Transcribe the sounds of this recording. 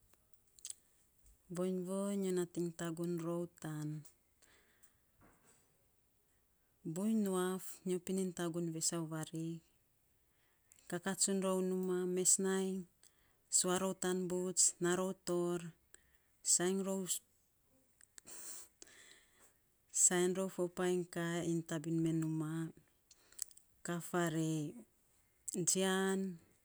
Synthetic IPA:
boɲβoɲonatiŋtaɡunɾo̞wtan | bujnuafɲopinintaɡunβesawβaɾi | kakasunɾo̞wnumame̞snajn | suaɾowtanbut͡ʃnaɾo̞wto̞ɾ | sajŋɾow | sajnɾo̞wfopajŋkaintabinme̞numa | kafaɾe | d͡ʒian

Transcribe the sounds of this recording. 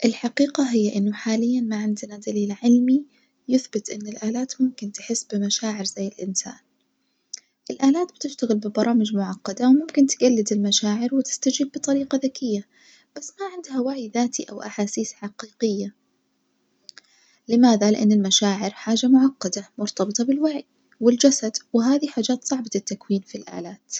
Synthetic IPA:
ʔɪlħaqiːqaɦɪjːʔɪnːʊħaːlɪjːanmaʕɪnd̪nad̪aliːlʕɪlmi | jʊθbɪt̪ʔɪnːɪlʔaːlaːt̪mʊmkɪnt̪ɪħɪsːbɪmaʃaːʕɪɾzajːɪlʔɪnsa̰ːn | ʔɪlʔaːlaːt̪̚bɪt̪ɪʃt̪aɣɪlbɪbɑɾˤɑːmɪd͡ʒmʊʕɑqːɑd̪awmʊmkɪnt̪ɪɡalːɪd̪ɪlmaʃaːʕɪɾwɪt̪ɪ̥st̪ad͡ʒiːbbɨt̪ˤɑɾiːqɑðakɪjːa | b̥asːmaʕɪnd̪hawaʕjðaːt̪iʔawʔaħaːsiːsħaqiːqɪjːa | lɪmaːðalɪʔanːɪlmaʃaːʕɪɾħaːd͡ʒamʊʕɑqːɑd̪amʊɾt̪ɑbɨt̪ˤɑbɪlwaʕj | wɪld͡ʒasad̪wɪɦaːðiħaːd͡ʒaːt̪sˤɑʕbaɪt̪ːakwiːnfilʔa̰ːlaːt̪

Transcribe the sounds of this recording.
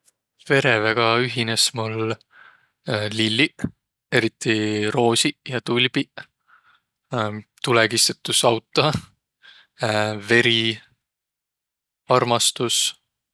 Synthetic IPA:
ve̞ɾe̞veɡ̥ɑyɦinesmul | ilːi | e̞ɾit̪ːˑiro̞ːsijɑt̪ulʲb̥i | t̪uleɡist̪et̪ˑːusɑwt̪ːˑɑ | ve̞ɾi | ɑrmɑst̪us

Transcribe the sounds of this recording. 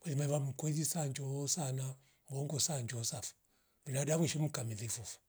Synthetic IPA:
walimaiβam̩kwɔzisaɲd͡ʒɔsana | mɔŋɡɔsaɲd͡ʒsafu̥ | minadaβɛʃim̩kamiðifufu̥

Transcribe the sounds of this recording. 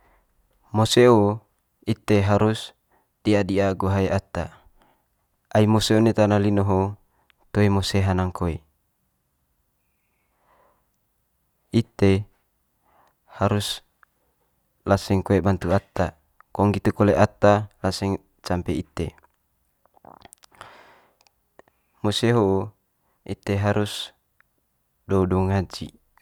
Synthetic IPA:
moseo | it̪eɦaɾus | d̥iadiaɡoɦaeʔat̪a | aimoseonet̪analinoɦo | t̪oemoseɦanaŋkoe | it̪e | haɾus | lasɛŋkoebant̪uat̪a | kɔŋɡit̪ukoleʔat̪alasɛŋ | t͡ʃampeit̪ḛ | moseɦoʔu | it̪eɦaɾus | doudɔŋad͡ʒḭ

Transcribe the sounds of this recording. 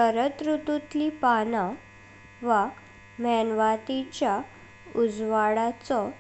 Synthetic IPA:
əɾət̪ɾut̪ut̪lipana | ʋa | mɛnʋat̪it͡ɕja | ud͡zʋaɽat͡sɔ

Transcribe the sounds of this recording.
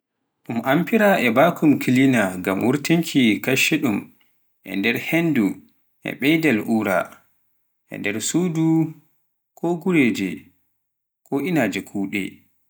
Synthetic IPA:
ɗumʔampiɾaʔɛbakʰumkʰilinaɡamʔuɾtiŋkʰikaʃɛɗum | ʔɛ̰ndɛɾhendu | ʔɛ̰ɓɛjdɛlʔuːɾa̰ | ʔɛ̰ndɛɾsuːdu | kʰɔɡuɾeːd͡ʒɛ | kɔʔinaːd͡ʒɛkʰuːɗɛ̰

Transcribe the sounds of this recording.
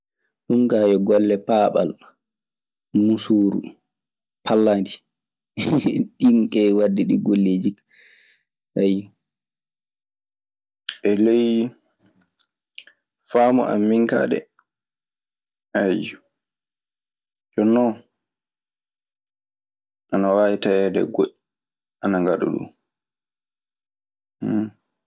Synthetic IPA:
ɗuŋkajɔɡɔlːɛpaːɓa̰l | musuːɾṵ | pʰalːandi | ɗinkɛwadːiɗiɡolːeːd͡ʒi | saj | ʔɛlej | famɔʔa̰mːiŋka̰ɗɛ̰ | aju | d͡ʒɔnːɔ | ʔanawaːjitajɛdɛ̰ɡoɗi | ʔanaŋɡaɗṵɗṵ

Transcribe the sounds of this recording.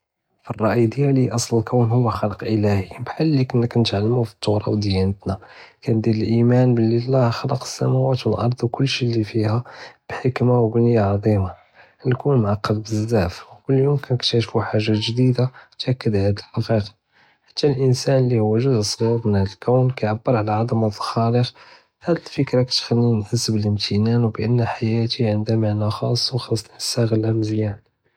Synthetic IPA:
firˤːɑʔjd̪əjæliʔɑsˤləlkəwnhʊwːæxɑləqʔəlæhibħalːikənːəknət̪ʕalːəmufi̥t̪ˤːʊhɾˤɑ̰wd̪jænət̪nakænd̪id̪əlʔimænbəlːilːæhxɑləqə̥sːæ̰mæwæt̪wəlʔɑɾˤd̪ˤwkʊlːʃilifihæb̥ħəkmawbənəjːaʕɑd̪ˤima | lkunmʕɑqːɑd̪bəzːæfwkʊlːjumkænəkt̪æʃfuħaʒːaʒd̪id̪at̪ʔækːəd̪ʕæd̪əlfɑqiq | ħḁt̪ːælʔənsænəlːihʊwːæʒʊzsˤɾiɣmənhæd̪əlkəwnkæʕabːəɾʕalaʕɑd̪əməðˤxɑɾəx | hæd̪əlfəkɾɑkt̪xælːinħəsːəbələmt̪ʰənænwbʔənːæħajæt̪iʕənd̪æmaʕnaxɑsˤːwxɑsˤːəsæɣəlæməzjæn

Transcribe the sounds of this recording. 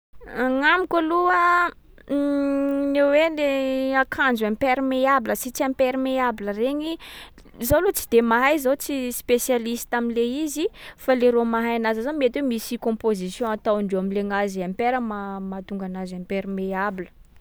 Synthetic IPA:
aŋamikʲaluə | neweleakʰand͡zampeɾimeabiləsit͡siãmpeɾimeabiləreɲi | zolut͡si̥d̪emaɦajzawt͡sispesjalisi̥t̪aminleizifaleɾomaɦajanazazamiet̪wemisikɔ̃pozisjɔ̃at̪awaɳɖ͡ʐewamileŋaziampeɾəmamat̪uŋɡanazampeɾimeabilə̥

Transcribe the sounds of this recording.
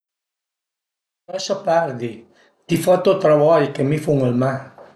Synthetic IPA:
ɾasapaɾd̪i | t̪ifat̪ot̪ɾaβɔjkemifuŋelma

